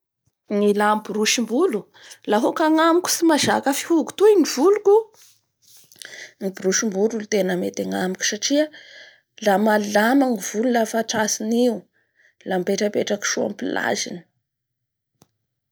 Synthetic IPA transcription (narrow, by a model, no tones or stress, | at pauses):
ŋilambuɾuʃimbulu | laɦokaŋamikʲu̥simazakəfi̥huku̥t̪uiniv̥uluku | ŋibiɾuʃimbuɾulut̪enəmet̪aŋamikʲu̥saʈ͡ʂia | lamalːamaŋiv̥ululafaʈ͡ʂasiniu | lampeʈ͡ʂəpeʈ͡ʂaki̥ʃua̰mpila̰zḭni̥